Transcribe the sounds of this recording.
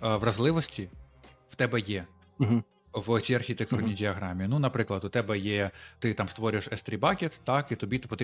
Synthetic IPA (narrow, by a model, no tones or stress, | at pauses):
ʋrɐzlˠɪʋɔsʲtʲi | w̥t̪ɛbɛjɛ | ɦ̩ | ʋɔt͡sʲijɐrxʲit̪ek̚t̪urnʲijdʲɪɐɦɾɑmʲiinunɐpɾɪklˠɐd̪ʊt̪ɛbɛjɛt̪ɪt̪ɑmst̪ʋɔɾʲʊjeʃɛst̪ɾʲibɑkʲet̪ːɑkit̪ɔbʲit̪ɪpɔt̪ɾʲ